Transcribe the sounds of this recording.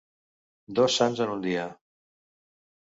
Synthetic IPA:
d̪ɔsanzənund̪iə

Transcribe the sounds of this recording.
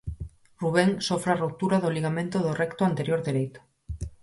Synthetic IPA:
ruβ̞eŋsofɾaruk̚t̪uɾaðoliɣamẽnt̪oðorɛkt̪oant̪eɾjoɾðeɾejt̪o̥

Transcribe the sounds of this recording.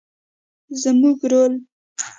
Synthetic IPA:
zəmuɡɾol

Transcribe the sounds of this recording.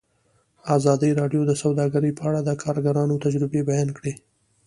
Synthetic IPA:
ɑzɑd̪əɾɑɖjod̪əsawd̪ɑɡaɾəpəaɽad̪əkʰɑɾɡaɾɑnot̪ad͡ʒɾɪbebajɑnkɽe

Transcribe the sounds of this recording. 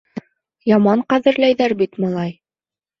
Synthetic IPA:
jɑmɑɴqæðɘ̆ɾlæjðæɾbit̪mɑlˠɑj

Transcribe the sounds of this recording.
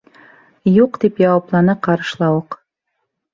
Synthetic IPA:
juqd̪ipjɑwɑplˠɑnɤqɑɾɤ̆ʃlˠɑwɤq

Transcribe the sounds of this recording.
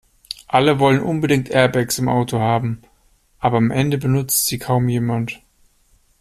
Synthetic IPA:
ʔaləvɔlənʔʊnbədɪŋ̚tʰʔɛɐbɛksɪmʔa̰ʊtʰohaːbm̩ | ʔaːbɐamʔɛndəbənʊt͡stz̥iːkʰaʊmjeːmant

